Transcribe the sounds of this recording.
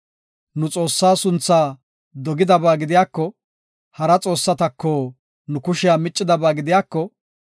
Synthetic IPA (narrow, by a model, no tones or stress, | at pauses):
nʊt͡sʼo̞ːsːaːsʊnt͡sːaː | d̪ɔɡɪd̪ɐbaːɡɪd̪ɪjaːkːɔ | hɐɾɐt͡sʼo̞ːsːɐt̪ɐkːɔː | nʊkʊʃɪjaːmɪt͡ʃʼːɪd̪ɐbaːɡɪd̪ɪjaːkːɔ